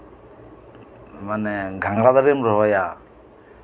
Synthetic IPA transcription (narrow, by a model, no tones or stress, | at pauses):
maneɡʱaŋɡɾad̪aɾemɾɔɦɔja